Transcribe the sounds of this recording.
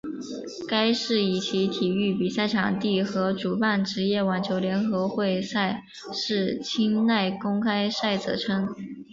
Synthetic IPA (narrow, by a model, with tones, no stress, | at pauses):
ka˥ɪʂɻ̩˥˩i˨˩t͡ɕʰi˧˥t̪ʰi˨˩y˥˩pi˨˩sa˥˩ɪʈ͡ʂʰɑ˨˩ŋt̪i˥˩xɤ˧˥ʈ͡ʂu˨˩pa˥˩nʈ͡ʂɻ̩˧˥jɛ˥˩wɑ˨˩nt͡ɕʰjo˧˥ʊljɛ˧˥nxɤ˧˥xwe˥˧ɪsa˥˧ɪ | ʂɻ̩˥˩t͡ɕʰi˥ŋna˥˩ɪkʊ˥ŋkʰa˥ɪsa˥˩ɪt͡sɤ̰˨˩ʈ͡ʂʰɤ˥ŋ